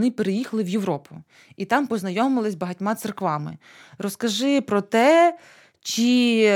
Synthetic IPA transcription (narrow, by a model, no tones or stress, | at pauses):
nɪpeɾejixɐlˠɪʋjeʋɾɔpʰʊ | it̪ɑmpɔznɐjɔmɪlˠɪsʲbɐɦɐtʲmɑt̪serkʋɑmɪ̰ | ɾɔskɐʒɪpɾɔt̪ɛ | t͡ʃi